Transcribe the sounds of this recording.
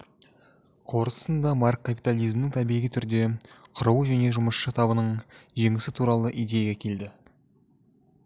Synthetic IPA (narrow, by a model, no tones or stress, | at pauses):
qʰo̞ɾəə̥sənd̪ɑmɑrkʰːapit̪alˠijzmnɪŋt̪ʰæbijʁit̪ʰʏɾd̪e̞qʰʊɾuwəʒæne̞ʒʊməʃʃət̪ʰɑβənəɴʒe̞ŋɪsɪt̪ʰuɾɑlˠəʔijd̪e̞jaɡʲekʲʰe̞ld̪ɪ